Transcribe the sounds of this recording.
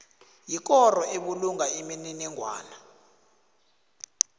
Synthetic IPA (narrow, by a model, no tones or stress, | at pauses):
jik̬ʼɔrɔeɓuluŋaimininiŋʱwa̰ːna